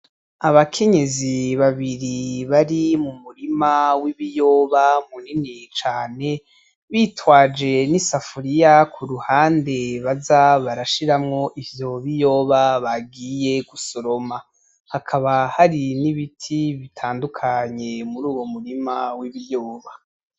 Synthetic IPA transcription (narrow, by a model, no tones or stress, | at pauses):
aβakʰe̞ɲe̞ziβaβiɾiβaɾimumuɾimawiβijo̞ːβamuninit͡ʃaːne̞ | βiːtwaːd͡ʒe̞nisafuɾijakʰuɾuhaːnde̞βazaβaɾaʃiɾamŋo̞ʔivjo̞βijo̞βaβaɡije̞ɡuso̞ɾo̞ma | hakʰaβahaɾiniβitʰiβitʰaːndukʰaɲe̞muɾuːwo̞muɾimawiβijoːβa